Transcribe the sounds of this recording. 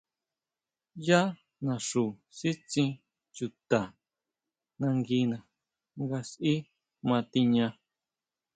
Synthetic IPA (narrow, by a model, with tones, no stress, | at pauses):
ja˦ | nã˨ʂu˨si˦t͡sĩ˧ | t͡ʃu˧t̪a˨ | nã˧ŋɡi˧nã˧ | ŋɡa˧si˦ | mã˧t̪i˧ɲã˧